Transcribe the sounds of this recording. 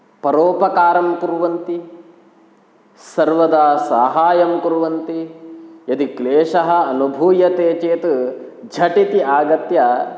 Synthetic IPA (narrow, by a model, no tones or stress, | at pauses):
pɐɾoːpɐkaːɾɐmkuɾuʋɐnt̪i | sɐɾʋɐd̪aːsa̰ːɦaːjɐmkuɾuʋɐnt̪ijɐd̪ikleːʃɐɦɐɐnubʱuːjɐt̪eːt͡ʃeːt̪ud͡ʒʱɐʈit̪iʔaːɡɐt̪jɐ